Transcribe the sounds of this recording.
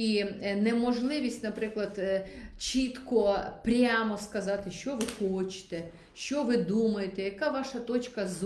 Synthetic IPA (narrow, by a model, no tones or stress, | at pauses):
inɛmɔʒlˠɪʋʲisʲtʲnɐpɾɪklˠɐd̪t͡ʃit̪kɔpɾʲamɔskɐzɑt̪ɪʃt͡ʃɔʋɪxɔt͡ʃɪ̥t̪ɛ | ʃt͡ʃɔʋɪd̪umɐjet̪ɛjɐkaʋɑʃɐt̪ɔt͡ʃʲkɐz